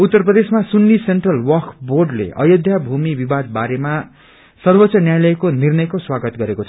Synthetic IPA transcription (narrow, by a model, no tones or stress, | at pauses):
ut̪ːʌrprʌd̪esmasunːisenʈrʌlwʌkborɖlḛʔʌjod̪ʱjabʱumibibad̪̚baɾema | sʌrbʌtːt͡sʌnjajlʌjkonirnʌjkoswaɡʌt̪ɡʌɾekot͡sʰʌ